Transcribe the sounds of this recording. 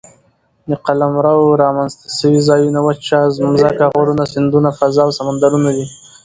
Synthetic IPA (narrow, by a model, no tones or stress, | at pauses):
d̪əqalamɾawɾɑmanzt̪ḁsəwizɑjunawat͡ʃɑzmzakaɣaɾunasɪnd̪unafazɑwsamand̪aɾunad̪i